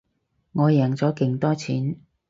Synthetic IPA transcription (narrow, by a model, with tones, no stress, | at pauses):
ŋɔː˨˧jɛː˨˩ŋt͡sɔː˨˥kɪ˨ŋt̪ɔː˥t͡sʰḭː˨˥n